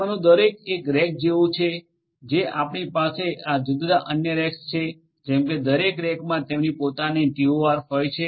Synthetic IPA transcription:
anũd̪əɾekekɾɛk̚d͡ʒeʋũt͡ʃʰe | d͡ʒeʔapɳipasead͡ʒʊd̪ɾaʔənjəɾɛkst͡ʃʰe | d͡ʒɛmked̪əɾekɾɛkmãt̪emnipot̪anet̪ioʋaɾɦojt͡ʃʰe

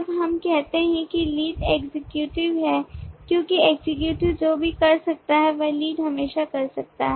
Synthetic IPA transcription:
bɦɐmkɛɦt̪eɦɛ̃kiliːɖeːɡzɪkjuːʈɪʋɦɛːkjõːkieːɡzɪkjuːʈɪʋd͡ʒoːbʱikɐɾsɐk̚t̪aɦɛʋɐliːɖɦɐmeːʃakɐɾsɐk̚t̪a̰ɦɛ

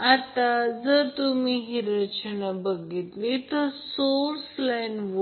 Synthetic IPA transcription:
at̪ad͡zəɾt̪umiɦiɾət͡ɕənabəɡit̪lit̪əɾsoɾslajnʋ

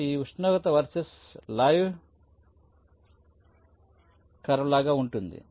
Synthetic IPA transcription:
iːuʂnoːɡɐt̪ɐʋɐɾsɐs | laːjʋ | kɐɾɐʋɐlaːɡaːuɳʈund̪ḭ

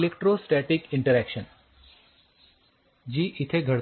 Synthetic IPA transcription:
lekʈɾosʈɛʈikɪ̃ɳʈəɾɛkʃən | d͡ʒiːʔɪt̪ʰeɡʱəɽ

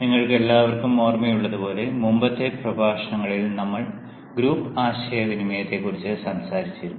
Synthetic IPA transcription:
niŋːɐɭke̞lːaːʋɐrkumoːrmɐjuɭːɐðupo̞ːle̞mumbɐt̪ːeprɐbʱaːʂɐɳɐŋːɐɭilnɐmːɐɭ | ɡɾuːpaːɕɐjɐʋinimɐjɐt̪ːe̞kːurit͡ɕːɨsɐmsaːɾit͡ɕːiɾunː

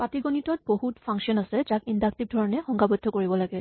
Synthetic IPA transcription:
patiɡɔnitɔt̚bohutpʰãŋsiɔnasɛd͡ʒakindak̚tib̚dʱɔɹɔnɛxɔŋɡabɔdʱːɔkoɹibɔlaɡɛ

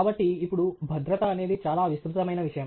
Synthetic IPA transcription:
aːbɐʈːiːpːuɽubʱɐd̪ɾɐt̪ɐːne̞ːd̪it͡ʃaːlaːʋist̪ɾut̪ɐmɐjnɐʋiʂɐjɐm

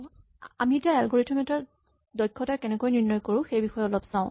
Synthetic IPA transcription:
a̰mietijaɛlɡoɹitʰɔmɛtaɹ | dɔjkʰːɔtakɛnɛkojniɹnːɔjkoɹʊ̃xejbixɔjɔlɔpsãʊ̃

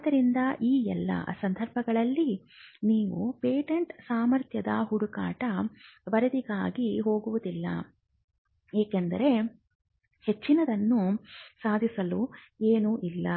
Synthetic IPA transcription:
d̪ɐɾind̪ɐʔiːɛlːɐ̰sɐnd̪ʱɐɾbʱɐɡɐɭɐlːi | niːʋupeːʈeɳʈsaːmɐɾt̪ʰjɐd̪ɐ̰ɦuɽukaːʈɐbɐɾɐd̪iɡaːɡiɦo̞ːɡuʋud̪ilːɐ̰ | eːkend̪ɐ̰ɾe̞ | he̞t͡ʃːinɐd̪ɐnːusaːd̪ʱisɐlu | eːnuʔilːɐ

